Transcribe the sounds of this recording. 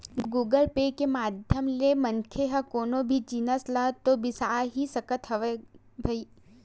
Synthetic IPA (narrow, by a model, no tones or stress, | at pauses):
ɡuːɡəlpeːkemaːd̪ʱjəmlemɐŋkʰeɦɐkoːnobʱid͡ʒinəslɐt̪obɪsaɦisɐkət̪ɦɐʋe | bʱɐiː